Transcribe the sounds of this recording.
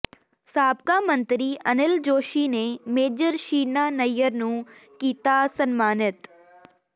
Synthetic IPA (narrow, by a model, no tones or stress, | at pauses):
saːb̚kaːmə̃nt̪ɾiːʔənɪld͡ʒoːʃiːneːmeːd͡ʒəɾʃiːnaːnəjəɾnũːkiːt̪aːsənmaːnɪt̪